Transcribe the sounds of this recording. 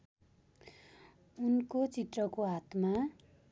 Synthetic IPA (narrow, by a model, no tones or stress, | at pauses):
unkot͡sit̪rʌkoɦat̪ma